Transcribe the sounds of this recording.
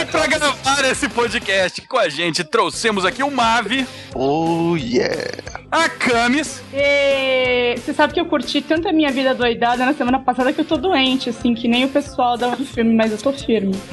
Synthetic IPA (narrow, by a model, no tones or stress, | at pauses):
pɾɐɡɾavaɾesɪpod͡ʒikɛst͡ʃɪ̥kõaʒẽnt͡ʃɪt̪ɾosẽmʊzakiʊmavɪ | ojɛ̰akɐ̃mɪs | ɛ | sesabɪkɪewkuɾt͡ʃit̪ɐ̃nt̪ɐmĩɲɐvid̪ɐd̪ojd̪ad̪ɐnɐsemɐ̃nɐpasad̪ɐkɪewt̪od̪uẽnt͡ʃɪasĩkɪnẽj̃ʊpesuawd̪ãd͡ʒ̪ʊfiwmɪmɐzewt̪ofiɾmɪ